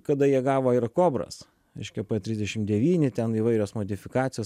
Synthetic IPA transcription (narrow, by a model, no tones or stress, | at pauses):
kɐd̪ɐjiɛɡɑːʋoːɪɾkoːbɾɐ̰s | ɾʲɛɪʃʲkʲɛpɐt̪ʲɾʲɪzʲdʲɛʃʲɪmd̪ʲɛʋʲiːnʲɪt̪ʲɛniːʋɐɪɾʲoːsmoːd̪ʲɪfʲɪkɑːt̪sʲɪjoː